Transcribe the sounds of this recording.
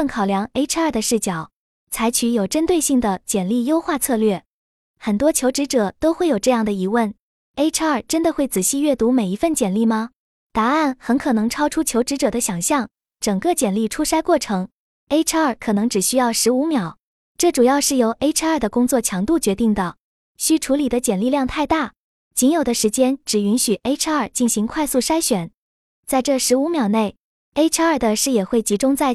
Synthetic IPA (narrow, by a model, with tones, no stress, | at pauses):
ə˥˩nkʰɑ˨˩ʊljɑ˧˥ŋe˥ɪʈ͡ʂ̩ʰ˥ə˞˥˩d̪ə˩ʂɻ̩˥˩t͡ɕjɑ˨˩˦ʊ | t͡sʰa˧˥ɪt͡ɕʰy˧˥jo˨˩ʊʈ͡ʂə˥nt̪we˥˧ɪɕi˥˩ŋd̪ə˩t͡ɕjɛ˨˩nli˥˩jo˥ʊxwa˥˧t͡sʰɤ˥˧lɥɛ˥˩ | xə˨˩nt̪wɔ˥t͡ɕʰjo˧˥ʊʈ͡ʂɻ̩˧˥ʈ͡ʂɤ˨˩˦t̪o˥ʊxwe˥˩ɪjo˨˩ʈ͡ʂɤ˥˧jɑ˥˩ŋd̪ə˩i˧˥wə˥˩n | e˥ɪʈ͡ʂʰə˞˨˩ʈ͡ʂə˥nd̪ə˨xwe˥˩ɪt͡sɹ̩˨˩ɕi˥˧ɥɛ˥˩t̪u˧˥me˨˩ɪi˧˥fə˥˩nt͡ɕjɛ˨˩nli˥˩mɐ˩ | t̪a˧˥a˥˩nxə˧˥nkʰɤ˨˩nɤ˧˥ŋʈ͡ʂʰɑ˥ʊʈ͡ʂʰu˥t͡ɕʰjo˧˥ʊʈ͡ʂɻ̩˧˥ʈ͡ʂɤ˨˩d̪ə˦ɕjɑ˨˩ŋɕjɑ˥˩ŋ | ʈ͡ʂɤ˨˩ŋkə˥˧t͡ɕjɛ˨˩nli˥˩ʈ͡ʂʰu˥ʂa˥ɪkwɔ˥˩ʈ͡ʂʰɤ˧˥ŋ | e˥ɪʈ͡ʂ̩ʰ˥ə˞˨˩kʰɤ˨˩nɤ˧˥ŋʈ͡ʂɻ̩˨˩ɕy˥jɑ˥˩ʊʂɻ̩˧˥u˧˥mjɑ˨˩˦ʊ | ʈ͡ʂɤ˥˩ʈ͡ʂu˨˩jɑ˥˧ʊʂɻ̩˥˩jo˧˥ʊʔe˥ɪʈ͡ʂ̩ʰ˥ə˞˥˩d̪ə˩kʊ˥ŋt͡swɔ˥˩t͡ɕʰjɑ˧˥ŋt̪u˥˩t͡ɕɥɛ˧˥t̪i˥˩ŋd̪ə˩ | ɕy˥ʈ͡ʂʰu˧˥li˨˩d̪ə˦t͡ɕjɛ˨˩nli˥˧ljɑ˥˧ŋt̪ʰa˥˧ɪt̪a˥˩ | t͡ɕi˧˥njo˨˩ʊd̪ə˦ʂɻ̩˧˥t͡ɕjɛ˥nʈ͡ʂɻ̩˨˩y˧˥nɕy˨˩ʔe˥ɪʈ͡ʂ̩ʰ˥ə˞˨˩t͡ɕi˥˩nɕi˧˥ŋkʰwa˥˧ɪsu˥˩ʂa˥ɪɕɥɛ˨˩˦n | t͡sa˥˧ɪʈ͡ʂɤ˥˩ʂɻ̩˧˥u˧˥mjɑ˨˩ʊne˥˩ɪ | e˥ɪʈ͡ʂʰə˞˥˩d̪ə˩ʂɻ̩˥˩jɛ˨˩xwe˥˩ɪt͡ɕi˧˥ʈ͡ʂʊ˥ŋt͡sa˥˩ɪ